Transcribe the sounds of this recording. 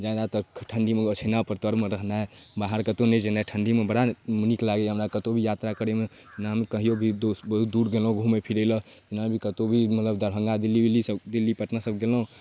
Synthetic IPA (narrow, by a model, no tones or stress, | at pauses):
d͡ʒad̪at̪ɔʈʰəɳɖimeɡot͡ʃʰənapəɾt̪əɾmeɾəɦnaɦe | baɦəɾkət̪oned͡ʒenaɛʈʰəɳɖimebəɽaməniklaɡeɦəmɾakət̪obʱijat̪ɾakəɾeme | naɦəmkəɦijobʱid̪obəɦut̪̚d̪uɾɡelɦũɡʱumepʰiɾəɪlət̪inabʱikət̪obʱimət̪ləbd̪əɾɦə̃ŋɡad̪ilibilisəbd̪ilːipəʈnasəb̚ɡelɦũ